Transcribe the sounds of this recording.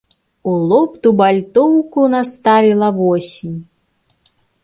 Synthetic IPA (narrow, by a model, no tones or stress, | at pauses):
ulˠɔpt̪ubalʲt̪ɔwkunast̪avʲilˠɐvɔsʲinʲ